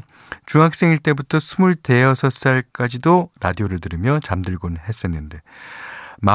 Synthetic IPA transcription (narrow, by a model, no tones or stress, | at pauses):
t͡ɕuŋɦak̚s͈e̞ŋiɭt͈e̞butʰʌsʰumuɭte̞ʌsʰʌs͈aɭk͈ad͡ʑidoɾadioɾɯɭtɯɾɯmjʌt͡ɕamdɯɭɡonɦe̞s͈enːɯnde̞ | ma